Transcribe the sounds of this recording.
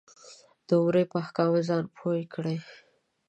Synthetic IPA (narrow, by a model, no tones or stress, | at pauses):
d̪̥əwɾepəhkɑwezɑnpʰojkɽe